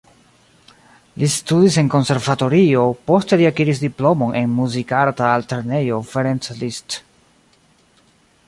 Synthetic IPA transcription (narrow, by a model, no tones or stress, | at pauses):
listudise̞ŋko̞nse̞ɾvato̞ɾio̞po̞ste̞liakiɾis̬diplo̞mo̞nʔe̞nmuzikaɾtaːlteɾne̞jo̞feɾenslist